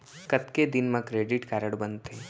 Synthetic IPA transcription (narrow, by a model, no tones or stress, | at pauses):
kət̪ked̪ɪnmãkɾeːɖɪʈkaːɾəɽbənt̪e